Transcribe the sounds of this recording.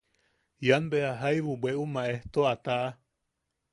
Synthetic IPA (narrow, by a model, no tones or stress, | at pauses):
janbeaɦajβubweʔumãeht̪oat̪aʔa